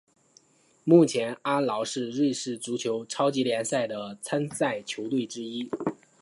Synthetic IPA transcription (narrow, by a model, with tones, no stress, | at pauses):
mu˥˩t͡ɕʰjɛ˧˥na˥lɑ˧˥ʊʂɻ̩˥˧ɻwe˥˧ɪʂɻ̩˥˩t͡su˧˥t͡ɕʰjo˧˥ʊʈ͡ʂʰɑ˥ʊt͡ɕi˧˥ljɛ˧˥nsa˥˩ɪd̪ə˩t͡sʰa˥nsa˥˩ɪt͡ɕʰjo˧˥ʊt̪we˥˩ɪʈ͡ʂɻ̩˥i˥